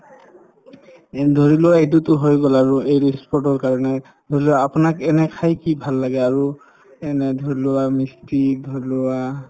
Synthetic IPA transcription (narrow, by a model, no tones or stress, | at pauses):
dʱoɹilʊwaejtʊtʊɦojɡɔlaɹʊejɹispʰɔtɔɹkaɹɔnɛ | dʱoɹiloaapʊnakɛnɛkʰajkibʱalːaɡɛaɹu | ɛnɛdʱoɹilʊamistidʱoɹilʊwa